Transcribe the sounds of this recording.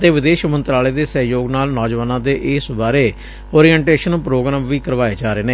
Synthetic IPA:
ət̪eːʋɪd̪eːʃmə̃nt̪ɾaːleːd̪eːsəɦjoːɡnaːlnɔːd͡ʒʋaːnãːd̪eːʔɪsbaːɾeː | oːɾiːɛɳʈeːʃənpɾoːɡɾaːmʋiːkəɾʋaːeːd͡ʒaːɾeːneː

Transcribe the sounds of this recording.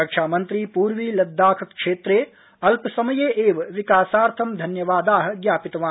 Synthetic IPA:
ɐkʃʰaːmɐnt̪ɾiːpuːɾʋiːlɐd̪ːaːkʰɐkʂeːt̪ɾeː | ɐlpsɐmɐjeːʔeːʋʋɪkaːsaːɾt̪ʰɐmd̪ʱɐnjɐʋaːd̪aːɦɐ̆ɡjaːpit̪ɐʋãː

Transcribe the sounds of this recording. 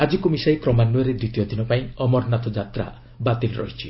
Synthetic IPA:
ad͡ʒikumisajkɾɔmanːuɔɾed̪ɾit̪ijɔd̪ʱinɔpaĩɔmɔɾnat̪ɔd͡ʒat̪ɾa̰ | bat̪ilɾɔ̰ɦit͡ʃʰi

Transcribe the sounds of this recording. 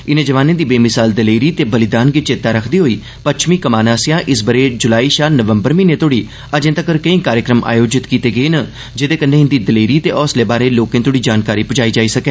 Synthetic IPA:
ɪnẽːd͡ʒəʋaːnẽːd̪iːbeːmɪsaːld̪əleːɾiːt̪eːbəlɪd̪aːnɡit͡ʃɪt̪aːɾəkʰd̪iːɦoːiː | pəʃʰmiːkəmaːnãːsɪjãːʔɪsbəɾeːd͡ʒʊlaːiːʃaːlnəʋəmbəɾmiːnẽːt̪oːɽiː | əd͡ʒẽːt̪əkəɾkəĩːkaːɾjəkɾəmʔa̰ːjoːd͡ʒɪt̪kiːt̪eːɡəeːnə | d͡ʒɪd̪eːkənːẽːɦɪnd̪iːd̪əleːɾiːt̪eːʔɔːsleːbaːɾeːloːkẽːt̪oːɽiːd͡ʒaːnkaːɾiːpʊd͡ʒaːiːd͡ʒaːiːsəkɛː

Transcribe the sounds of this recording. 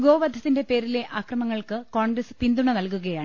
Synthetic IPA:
ɡo̞ːʋɐd̪ʱɐt̪ːinde̞pe̞ːɾile̞ʔʔaːkrɐmɐŋːɐɭkɨkoːɳɡrɐsɨ̥pind̪uɳɐnɐlkuɣɐjaːɳɨ

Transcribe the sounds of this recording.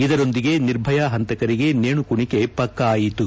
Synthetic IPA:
id̪ɐɾo̞nd̪iɡe̞niɾbʱɐjaɦɐnt̪ɐkɐɾiɡe̞neːɳukuɳike̞pɐkːɐaːjit̪u

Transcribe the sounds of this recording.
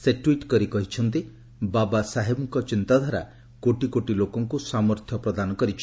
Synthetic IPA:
seʈwiʈkɔɾikɔɦit͡ʃʰɔnt̪i | babasaɦebɔŋkɔt͡ʃint̪ad̪ʱaɾa̰ | koʈikoʈilokɔŋkusamɔɾt̪ʰjɔpɾɔd̪anɔkɔɾit͡ʃʰ

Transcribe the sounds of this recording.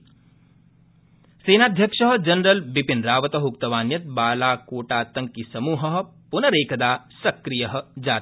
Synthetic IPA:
seːnaːd̪ʱjɐkʂɐɦɐd͡ʒɐnɾɐlbipinɾaːʋɐt̪ɐɦuk̚t̪ɐʋaːnjɐt̪̚baːlaːkoːʈaːt̪ɐŋkːisɐmuːɦɐɦpʊnɐɾeːkɐd̪aːsɐkɾijɐɦɐ̆d͡ʒaːt̪

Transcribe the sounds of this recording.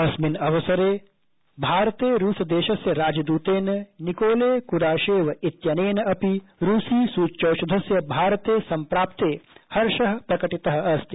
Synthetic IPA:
ɐsminɐʋɐsɐɾeː | bʱaːɾɐt̪eːɾuːsɐd̪eːʃɐsjɐɾaːd͡ʒɐd̪uːt̪eːnɐnikoːleːkuɾaːʃeːʋɐit̪jɐneːnɐɐpiɾuːsiːsuːt͡ʃɐwʃɐd̪ʱɐsjɐbʱaːɾɐt̪eːsɐmpɾaːp̚t̪eːhɐɾʃɐɦɐ̆pɾɐkɐʈit̪ɐɦɐ̆ɐst̪ʰi

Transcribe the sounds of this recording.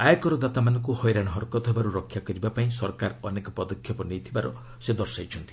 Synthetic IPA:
ajakɔɾɔd̪at̪amanɔŋk̬uhɔjɾaɽ̃ɔɦɔɾkɔt̪ɔɦebaɾuɾɔkʰːjakɔɾibapaĩsɔɾkaɾɔnekɔpɔd̪ɔkʰːjɔpɔnejt̪ʰibaɾɔ | sed̪ɔɾsajt͡ʃʰɔnt̪i̥

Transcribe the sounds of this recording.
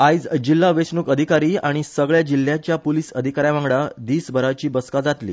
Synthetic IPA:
ajd͡zd͡ʑilːaʋesnukəd̪ʱikaɾiːaɽ̃isəɡɭjad͡ʑil̤ːjat͡ɕjapoliːsəd̪ʱikaɾjãʋãŋɡɽad̪iːsbʱəɾat͡ɕiːbəskad͡zat̪lḭː

